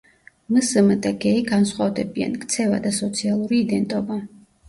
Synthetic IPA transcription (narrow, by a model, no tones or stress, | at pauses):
məsəmət̪ʼɛɡɛiɡansχwavd̪ɛbia̰nkʰt̪sʰɛvad̪asɔt̪sʰialˠuɾiːd̪ɛnt̪ʼɔba